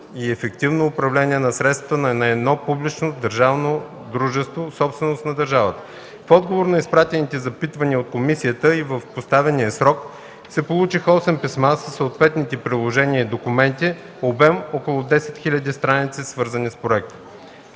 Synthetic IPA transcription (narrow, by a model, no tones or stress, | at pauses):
iɛfɛk̚t̪ivnoːpɾɐvlɛnʲiɛnɐsɾɛt̪sɐt̪ənɐɛnɛd̪nɔpublit͡ʃnod̪əɾʒavno | d̪ɾuʒɛst̪vosɔpst̪vɛnost̪nɐd̪ɐɾʒavət̪ə̥ | fɔd̪ɡovoɾnɐispɾat̪ɛnit̪ɛzɐpit̪vɐniəot̪̚komisiət̪əivəfpost̪avɛnijəsɾɔk | sɛpolˠut͡ʃixəɔsɛmpismasəsːəot̪vɛt̪nit̪ɛpɾilˠoʒɛniəid̪okumɛnt̪i | obɛmɔkolˠʊd̪ɛsɛ̥t̪xilʲəd̪ist̪ɾanit̪sisvɤɾzənispɾoɛk̚t̪ə̥